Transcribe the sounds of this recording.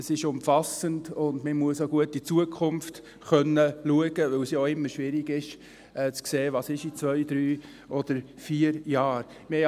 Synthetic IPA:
əsɪʃʊmfɑsəndʊndməmuəsoɡ̥uətːit͡suəkʰχʊmft | χœnːəluəɡəʋɵwsjoɪmːəɾʃʋɪɾiɡɪʃ | ɛt͡skseːʋɑːsɪʃit͡svœʏd̥̪ɾyː | ʔɔd̥əɾ | fiːəɾjɑːɾ | mɪhɛ

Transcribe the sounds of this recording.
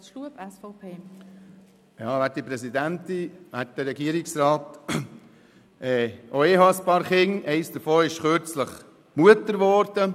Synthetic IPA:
ʃluəpɛsfɔpʰeː | jɑːʋæːt̚d̥ipɾɛsidæntiʋæt̚d̥̪əɾːɛɡiəɾɪksɾɑːt | ʔɛːʔoeːɦɑspɑːɾχɪŋɛɪsd̥əɾfoːɪʃχøɾt͡sləχ | muətəɾʋɔːɾd̥ə

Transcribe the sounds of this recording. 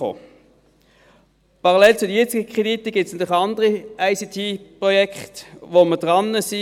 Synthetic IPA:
o̰ː | pɑʁɑlɛlt͡sʊdəjɛt͡sɪɡəkʰʁ̥ed̪itəɡ̥ɪtt͡ssnd̪əχɑndəʁiaɪsitʰiːpʁɔjɛkχtvoməd̥ʁɑnːəsi

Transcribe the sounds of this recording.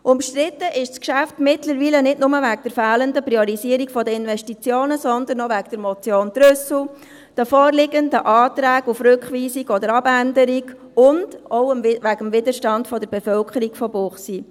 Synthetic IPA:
ʔʊmʃtɾɪt̪ːəʔɪʃskʃæftmɪtləɾʋiːlənɪdnʊməʋækd̥əɾfæːləndəpɾiɔɾisiəɾiɡfɔdəɪnʋɛʃtit͡sjoːnəsɔnd̪ənɔʋækd̥əɾmɔt͡sjoːnd̥ɾʏsl̩ | d̥əfɔːrlɪɡəndəʔɑːtɾæːɡufɾʉkχʋiːsiɡɔd̪əɾɑbændəɾiɡ | ʊnd̥ɔʊəmʋæɡəmvɪdəʃtɑndfɔdəɾbɛfœlkʰəɾiɡ̥fɔbʊχsi

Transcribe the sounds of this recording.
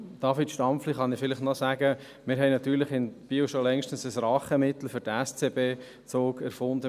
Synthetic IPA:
d̥ɑfitʃtɑmfliχɑnɪfɪlɪχnɔsæɡə | mɪɾɦɛɪnɑt̪yːɾlɪχɪnb̥iːwʃolɛŋʃtən̩səsɾɑχəmɪt̪l̩fʏɾdɛst͡seːbeː | t͡soːkæɾfʊnd̪ə

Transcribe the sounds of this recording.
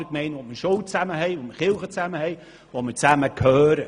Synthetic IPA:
əkmɛɪnʋoməɾʃowt͡sæməɦɛɪʋoməχɪlχət͡sæməhɛɪ | ʋoməɾt͡sæməkʰhœːɾə

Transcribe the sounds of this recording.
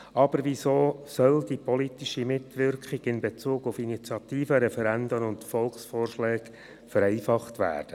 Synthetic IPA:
ɑb̥əɾʋisoːsœld̥ipɔlit̪iʃimɪtʋɪɾkχiɡ̥ɪnbet͡suːɡʊfinit͡sjɑtiːfəɾɛfɛɾændənʊntfɔlksfɔːrʃlɛːɡ̥ | fəɾɛɪfɑχtʋæ̰ːrd̥ə

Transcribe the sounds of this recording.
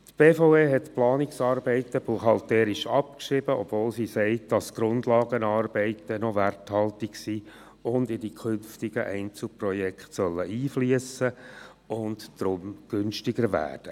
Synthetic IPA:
tb̥eːfɔʊeːɦɛtplɑːnɪksɑːɾbɛɪtəb̥uχɑlt̪ɛːɾɪʃɑpkʃɾɪbəʔɔbvoːlsisɛɪt̚d̥ɑsɡ̥ɾʊndlɑːɡənɑːrb̥ɛɪtənɔʋærthɑltɪksiː | ʊndɪdikʰʏnftɪɡəʔɛɪnt͡sl̩prɔjɛkχtsœlːəʔiːfliəsə | ʊndd̥ɾʊmɡ̥ʏnʃtɪɡəɾʋæ̰ːrd̥ə

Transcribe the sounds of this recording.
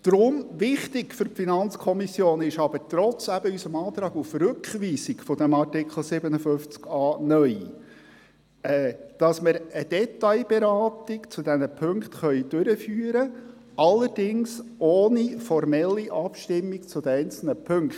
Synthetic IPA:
d̥ɾʊmʋɪχt̪ɪkfʏɾpfinɑnt͡skʰɔmisjoːnɪʃɑb̥əɾtɾɔt͡sæb̥əysəmɑːt̪ɾɑːɡufɾʉkχʋiːsɪkfɔd̥̪ɛmɑrtɪkχl̩ˠsɪbənəfʏft͡skɑːnœʏ | ɛːd̥ɑsmɪɾəd̥ɛtɑjbeɾɑːtɪkt͡sud̥̪ɛnəpʰʏŋkt̪χœʏd̥ʉɾəfyːəɾə | ʔɑlːəɾd̥ɪŋsoːnifɔrmɛlːiʔɑpʃtɪmːikt͡sʊd̪əɛɪnt͡sl̩nəpʰɵŋkt

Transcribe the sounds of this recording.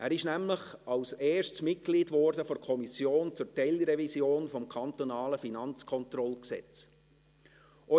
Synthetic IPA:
ʔæːɾɪʃnæmləχɑlseːʃtsmɪt̚ɡ̥liːdvɔɾdəfoɾkʰɔmisjoːnt͡sʊɾtɛɪlɾɛvisjoːnfɔmkʰɑnt̪onɑːləfinɑnt͡skʰɔnt̪ɾɔlksɛ̰t͡s | ʔɔ

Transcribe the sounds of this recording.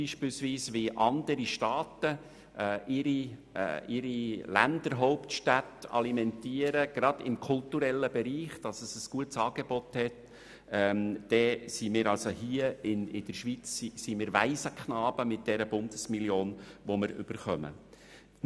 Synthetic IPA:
iːʃpɪːlsʋiːsʋɪʔɑnd̪əɾiʃtɑːtəː | ɪɾḭ | ʔɪɾilæ̰ndəɾɦoʊptʃtætɑ̰limɛntiːəɾəɡ̥ɾɑd̥̪ɪmkʰʊltuɾɛlːəbɛɾiːχd̥ɑsəsəsɡ̥uətsɑːɡebɔthɛt | ɛmd̥ɛsimɪːɾɑlsohiəɪnɪd̥əʃʋit͡sːisimɪːɾʋæɪsəkχnɑːbəmɪt̚d̥ɛɾəb̥ʊndəsmiljoːnʋomɪɾʏ̰b̥əɾχœmə̰

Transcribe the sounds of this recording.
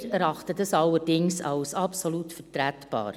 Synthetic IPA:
ɾɛɾɑχtədɑsɑlːəɾdɪŋsɑ̰wsɑpsolutfətɾætb̥ɑ̰ːɾ

